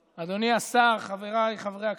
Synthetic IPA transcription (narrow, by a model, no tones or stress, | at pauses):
ad̪o̞niasaʁχave̞ʁaleχavʁeak